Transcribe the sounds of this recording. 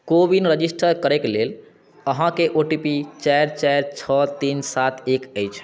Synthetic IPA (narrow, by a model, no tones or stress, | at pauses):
kobinɾəd͡ʒisʈʰəɾkəɾɛklel | əɦãkeʔoʈipit͡ʃajɾt͡ʃaɾt͡ʃʰət̪insat̪ʰekəjt͡ʃʰ